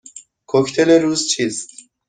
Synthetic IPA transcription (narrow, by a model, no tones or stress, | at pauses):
kʰokʰt̪ʰeleɾuːzt͡ʃʰiːst̪